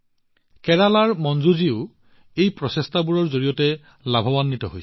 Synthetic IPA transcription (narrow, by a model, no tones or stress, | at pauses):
kɛɹalaɹmɔnzuziʊ | ejpɹɔsɛstʰabuɹɔɹzoɹijɔtɛ | labʱɔbanːitɔɦojs